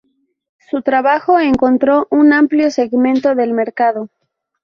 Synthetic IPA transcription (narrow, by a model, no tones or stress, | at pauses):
sut̪ɾaβaxo̞eŋko̞nt̪ɾo̞ʔunampljose̞ɣmẽnt̪o̞ðe̞lme̞ɾkað̞o